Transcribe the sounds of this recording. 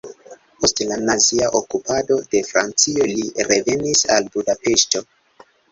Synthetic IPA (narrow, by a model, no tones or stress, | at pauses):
po̞stlanaziaʔo̞kupʰado̞de̞fɾa̰nt͡sio̞liɾe̞ve̞nisalbudape̞ʃto̞